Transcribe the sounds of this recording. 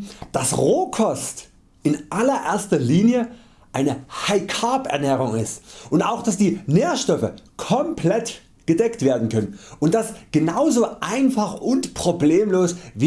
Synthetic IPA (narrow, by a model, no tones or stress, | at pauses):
d̥asʁoːkʰɔst | ʔɪnʔalɐʔeːɐstɐliːnjə | ʔaɪnəhaɪkʰaːpʔɛ̰ɐnɛːʁ̞ʊŋɪstʔʊntaʊxd̥asd̥iːneːɐʃtɔfə̰kʰɔmplɛt | ɡ̥ədɛktv̥eːɐdn̩kʰœnənʊntd̥asɡ̥ənaʊzoːʔaɪnfaχʊntpʁ̥obleːmloːsviː